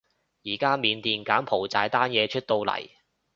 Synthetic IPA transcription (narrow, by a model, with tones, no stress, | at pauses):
jiː˨˩kaː˥miː˨˧nt̪iː˧nkaː˨˥npʰo˨˩wt͡saː˨˧jt̪aː˥njɛː˨˧t͡ʃʰɵ˥t̚t̪o˧wlɐ̰˨˩j